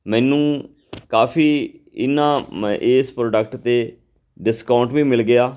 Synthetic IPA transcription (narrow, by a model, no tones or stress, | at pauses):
mɛ̃ːnũː | kaːfiː | ɪnːãːʔeːspɾoːɖək̚ʈt̪eː | ɖɪskaʊɳʈʋiːmɪlɡɪaː